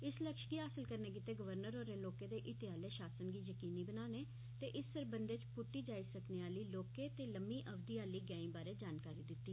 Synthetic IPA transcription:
ɪsləkʃɡiːɦaːsəlkəɾneːk̬ɪt̪eːɡəʋəɾnəɾoːɾeːloːkeːd̪eːʔɪt̪eaːleːʃaːsənɡiːjəkiːniːbənaːneː | t̪eːʔɪsːəɾbənd̪eːt͡ʃpʊʈːiːd͡ʒaːisəkneːaːliːloːkeːt̪eːləmiːʔəʋd̪iːaːliːɡaːĩːbaːɾeːd͡ʒaːnkaːɾiːd̪ɪt̪ːiː

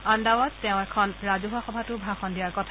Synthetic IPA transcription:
andawɔtːɛʊ̃ɛkʰɔnɹazuɦuaxɔbʱatʊbʱɹaxɔndijaɹkɔtʰa

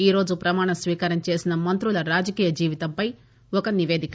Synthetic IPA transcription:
iːɾo̞ːd͡ʒupɾɐmaːɳɐsʋiːkaːɾɐmt͡ʃe̞ːsinɐmɐnt̪ɾulɐɾaːd͡ʒɐkiːjɐd͡ʒiːʋit̪ɐmpɐj | ɔkɐniʋe̞ːd̪ik

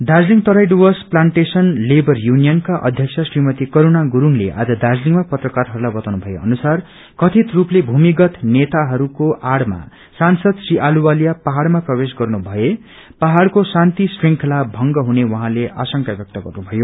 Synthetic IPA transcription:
d̪ad͡zliŋt̪ʌɾajɖuwʌsplaɳʈesʌnlebʌrjunijʌnkaʔʌ̰d̪ʱjʌkt͡sʰʌsrimʌt̪ikoɾonaɡuɾuŋleʔa̰d͡zʌd̪ad͡zliŋmapʌt̪rʌkarɦʌɾulajbʌt̪awnubʱʌjeʌ̰nusar | kʌt̪ʰit̪ruplebʱumiɡʌt̪net̪aɦʌɾukoʔaɽma̰ | sansʌd̪sriʔaluwalijapaɦaɽmaprʌbes̬ɡʌrnubʱʌe | paɦaɽkosant̪isriŋkʰʌlabʱʌŋɡʌɦunewʌɦãleʔasʌŋkabjʌk̚t̪ʌɡʌrnubʱʌjo

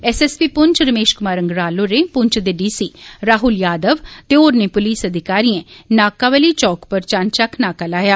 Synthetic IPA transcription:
ɛsɛspiːpʊɲt͡ʃɾəmeːʃkʊmaːɾəŋɡɾaːloːɾeːpʊɲt͡ʃd̪eːɖiːsiːɾaːɦʊljaːd̪əʋt̪eoːɾneːpʊliːsəd̪ɪkaːɾiːẽnaːkaːʋəliːt͡ʃɔːkpəɾt͡ʃaːnt͡ʃakʰnaːkalaːjaː

